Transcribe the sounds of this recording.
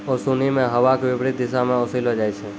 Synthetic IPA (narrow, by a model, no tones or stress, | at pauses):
osunimẽɦəʋakʋɪbɽit̪̚d̪ɪsamãosilod͡ʒajt͡ʃʰe